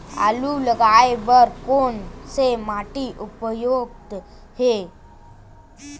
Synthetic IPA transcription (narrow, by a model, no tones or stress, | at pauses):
a̰luləɡajʋəɾkonsemaʈiʔupəjoɡ̚t̪ | he